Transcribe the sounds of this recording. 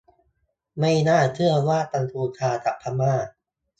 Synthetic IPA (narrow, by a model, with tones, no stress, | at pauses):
ma˥˩jnaː˥˩t͡ɕʰɯ˥˩ɐwaː˥˩t̪a˧ŋt̪ʰuː˧t̪ʰaː˧t̪a˨˩pʰːa˧˥maː˥˩